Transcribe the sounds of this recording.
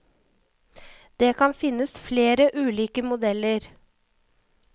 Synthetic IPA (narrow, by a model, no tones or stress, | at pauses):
d̪̥eːkʰɑnfɪnəsfleːɾəʔʉːliːkəmʊd̪ɛləɾ